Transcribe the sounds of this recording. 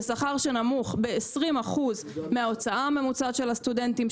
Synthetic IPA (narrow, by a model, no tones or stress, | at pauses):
saχaʁʃenamuχbe̞esʁimaχuz | meao̞t͡saʔame̞mut͡saʃe̞last̪udent̪im